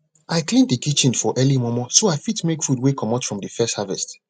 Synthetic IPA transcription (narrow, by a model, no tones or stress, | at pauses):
ʔajklĩndikit͡ʃĩnfɔʔɛlimɔmɔsoajfitmekfudwekʰɔmatfɹɔ̃mdifɛsthavɛst